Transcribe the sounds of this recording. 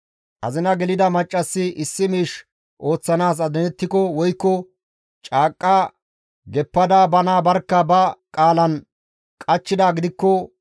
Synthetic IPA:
ʔɐ̰zɪnɐɡɛlɪd̪ɐmɐt͡ʃʼːɐsːɪʔɪsːɪmiːʃ | ʔo̞ːt͡sːɐnaːs̬ɐd̪ɛnɛt̪ːɪkɔwɔjkːɔ | t͡ʃʼaːkʼːaː | ɡɛpːɐd̪aːbɐnaːbɐɾkːɐbɐkʼaːlɐn | kʼɐt͡ʃːɪd̪aːɡɪd̪ɪkːɔ

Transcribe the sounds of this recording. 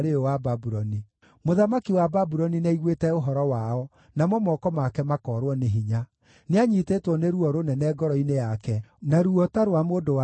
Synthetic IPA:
ɾeowababuɾɔni | moðamakiwababuɾɔninɛiɣwetɛoɦɔɾɔwaɔ | namɔmɔkɔmakɛmakɔːɾwɔneɦiɲa | neaɲitetwɔneɾuɔɾonɛnɛɡɔɾɔinejakɛnaɾuɔtaɾwamoːdowa

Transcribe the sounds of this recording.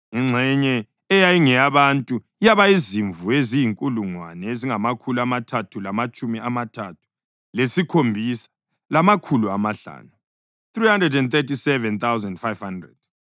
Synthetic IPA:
iŋ͡ǀʱɛɲɛː | jajiŋɛjaβantʼu | ijaβaiziɱvuezijiŋkʼuluŋwanɛeziŋamakʰuluamatʰatʰulamat͡ʃʼumiamatʰatʰu̥ | lesikʰombʱisḁ | lamakʰuluamaɬa̰ːnu | θrihandrɛdɛndt̪etisɛvɛnt̪awzandfajv̥handrɛ̰d̥

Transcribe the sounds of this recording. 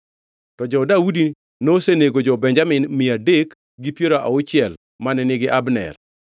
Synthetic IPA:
tɔd͡ʒɔdaudi | noseneɡod͡ʒɔbɛɲd͡ʒamɪnmɪadek | ɡipjeɾaʔa̰ʊt͡ʃɪjɛl | manɛnɪɡɪʔabnɛ̰r

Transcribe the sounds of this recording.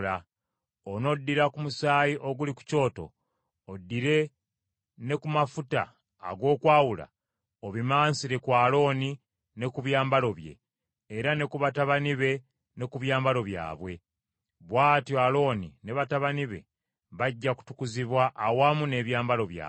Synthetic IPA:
la | ono̞dːiɾakumusaːjiʔo̞ɡuliku̥co̞ːto̞̰ː | dːiɾe̞ | ne̞kumafuta̰ː | ɡo̞ːkwaːwula̰ | oβimaːnsiɾe̞kwaːlo̞ːni | ne̞kuβjaːmbalo̞βje̞̰ː | ɾane̞kuβataβaniβe̞ | ne̞kuβjaːmbalo̞βja̰ːβwe̞ | βwaːtjoalo̞ːnine̞βataβaniβe̞̰ | βaɟːaku̥tukuziβwaʔːwaːmune̞ːβjaːmbalo̞βja̰ː

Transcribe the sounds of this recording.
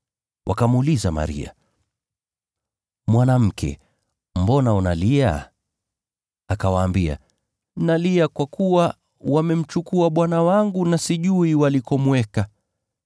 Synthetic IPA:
wʔakamulizama̰ɾḭa̰ | mwanam̩kʰɛ̰ | m̩bɔnaɔnalia̰ | akawaːmbia̰ | naliakwakuwa | wamɛm̩t͡ʃukuaɓwanawaŋɡunasiʄuiwalikɔmwɛka

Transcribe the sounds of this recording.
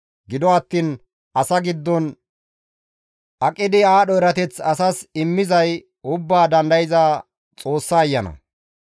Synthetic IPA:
ɡɪd̪ɔɐt̪ːiːn | ʔɐsɐɡɪd̪ːɔn | ʔɐkʼːɪd̪ɪaːɗɔɛɾɐt̪ɛt͡sɐsɐsɪmːɪzɐj | ʊbːaːd̪ɐnd̪ɐjɪzaː | t͡sʼo̞ːsːɐːjːɐnɐ̰

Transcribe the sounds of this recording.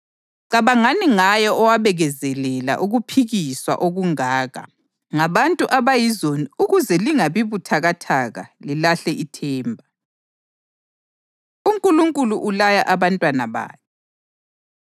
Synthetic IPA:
ǀaβaŋaniŋajɔʔɔwaβɛɣɛzɛlɛla̰ʔuɣupʰiɣiswa̰ʔoɣuŋaːɣa̰ | ŋaβantʼuʔaβajizoniuɣuzɛliŋaβiβutʰaɣatʰaɣa̰lilaɬɛʔitʰɛːmbʱa | uŋkʼuluŋkʼuluʔulajaʔaβantʼwanaβa̰ːjɛ

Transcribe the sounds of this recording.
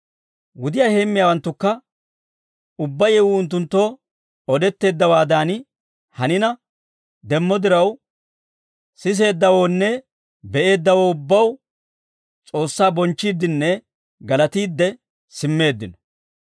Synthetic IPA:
wʊd̪ɪjaːheːmːɪjaːwɐnt̪ːʊkːɐ | ʊbːɐjɛwʊʊnt̪̬ːʊnt̪ːo̞ː | ɔd̪ɛt̪ːe̞ːd̪ːɐwaːd̪aːn | hɐnɪnɐ | d̪ɛmːɔd̪ɪɾɐw | sɪs̬e̞ːd̪ːɐwo̞ːnːɛ | bɛʔe̞ːd̪ːɐwoːʊbːɐw | t͡sʼo̞ːsːaːbɔnt͡ʃːiːd̪ːɪnːɛ | ɡɐlɐt̪iːd̪ːɛ | sɪmːe̞ːd̪ːɪnɔ̥

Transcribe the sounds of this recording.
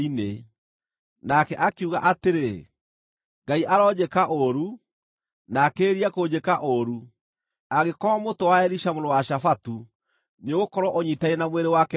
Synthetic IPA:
ine | nakɛʔakeuɣa̰ʔateɾe | ŋɡaiʔaɾɔd͡ʑekaʔoɾu | nakeːɾiakod͡ʑekaʔoɾu | aɣekɔamotowaɛɾiʃamoɾowaʃafatu | neɣokɔɾɔʔoɲitaenamweɾewakɛ

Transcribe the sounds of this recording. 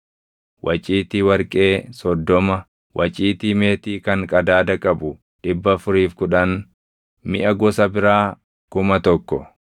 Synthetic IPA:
wʔɐt͡ʃʼiːt̪ɪwɐɾkʼe̞ːsɔd̪ːɔmɐ | wʔɐt͡ʃʼiːt̪ime̞ːt̪iːkɐŋkʼɐd̪aːd̪ɐkʼɐbʊ | ᶑɪbːɐfʊɾiːfkʊᶑɐn | mɪʔɐɡɔsɐbɪɾaː | kʊmɐt̪ɔkːɔ

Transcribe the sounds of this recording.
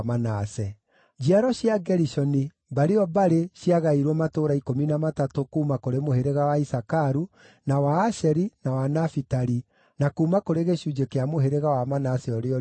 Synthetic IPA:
manasɛ | d͡ʑiaɾɔɕjaɡɛɾiʃɔni | baɾeɔbaɾeɕiaɣaiɾwɔmatoɾaikominamatatokuːmakoɾemoheɾeɣawaisakaɾu | nawaːʃɛɾinawanafitaɾi | nakuːmakoɾeɣeʃud͡ʒekeamoɦeɾeɣawamanasɛɔɾeɔ

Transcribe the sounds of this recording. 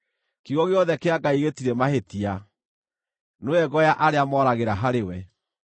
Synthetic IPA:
kiɣɔɣeɔðɛkeaɡaiɣetiɾɛmahetia | noɛɣɔjaʔaɾeamɔːɾaɣeɾaɦaɾewɛ

